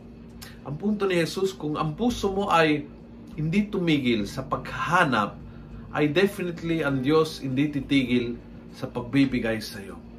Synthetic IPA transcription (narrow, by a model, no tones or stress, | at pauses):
ʔɐŋpunt̪onɪhɛsuskʊŋɐ̰ŋpuːsomo̞ʔɐj | hɪnd̪it̪ʊmiːɡɪlsɐpɐɡhaːna̰p̚ | ʔɐ̰jd̪ɛfɪnɪt̪liɐŋd̪joshɪnd̪it̪it̪iːɡɪl | sɐpɐɡ̚bibɪɡajsɐjo